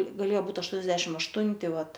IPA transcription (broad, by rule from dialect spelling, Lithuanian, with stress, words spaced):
ɡɐˈlʲeːjoː ˈbuːt ɐʃˈtuɔnʲɛzʲdʲɛʃʲɪmt ɐʃˈtʊnʲtʲɪ ˈʋɐt